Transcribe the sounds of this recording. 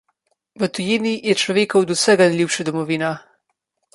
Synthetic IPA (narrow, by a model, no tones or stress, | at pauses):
ʋət̪ujeːniijɛt͡ʃlɔʋeːkɐwd̪usɛɡanɛjlʲuːpʃɛd̪ɔmɔʋiːna